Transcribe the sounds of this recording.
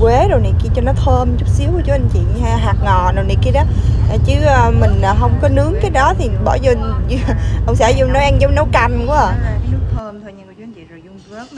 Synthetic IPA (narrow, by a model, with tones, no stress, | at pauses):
kwe˨˦ɗo˨˩ni˨˩jki˧t͡ɕɔ˧nɔ˨˦t̪ʰəː˧mt͡ɕʊ˦˥k͡p̚si˨˦wkːt͡ɕu˨˦ʔə˧nt͡ɕḭ˧˨n˧ha˧ɦaː˨˩k̚ŋɔ˨˩no˨˩wni˨˩jki˧ɗɔ˨˦ʔa˨˩t͡ɕɨ˨˦əː˧mï˨˩ŋ̟aː˨˩ɦə˧wŋ͡mkɔ˨˦nɨ˨˦əŋkaː˨˦jɗɔ˨˦t̪ʰi˨˩ɓɔ̰˧˩zo˧n˧ | hə˧wŋ͡msaː˧˩zu˧n˨˦jʔa˧ŋzə˨˦ŋ͡mnə˨˦wka˧jnku˧˦a˨˩˧